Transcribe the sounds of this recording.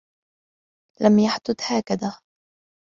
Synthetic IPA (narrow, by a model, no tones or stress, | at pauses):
lʔamjaħd̪ʊd̪haːkaðaː